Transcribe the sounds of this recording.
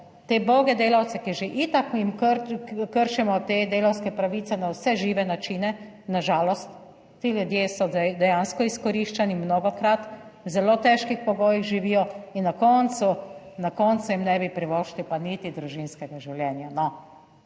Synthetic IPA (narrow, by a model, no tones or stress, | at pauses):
t̪eːboːɡɛd̪eːlawt̪sɛkiʒeʔit̪akjimkkəɾʃɛmɔt̪eːd̪eːlawskɛpɾaʋiːt̪sɛnawsɛʒiːʋɛnat͡ʃiːnɛ | naʒaːlɔst̪ː | iljud̪jeːsɔd̪ɛjanskɔiskɔɾiːʃt͡ʃanimnoːɡɔkɾat̪wzɛloːt̪ɛʃkixpɔɡoːjiɣʒiʋijɔinːakɔnt̪su | nakɔnt̪sujimnɛbipɾiʋɔʃlipanit̪id̪ɾuʒinskɛɡaʒiwljɛːnjanɔ